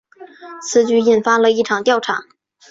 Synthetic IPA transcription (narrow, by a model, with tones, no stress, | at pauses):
t͡sʰɹ̩˧˥t͡ɕy˧˥i˨˩nfa˥lə˧i˥˩ʈ͡ʂʰɑ˨˩ŋt̪jɑ˥˩ʊʈ͡ʂʰa̰˧˥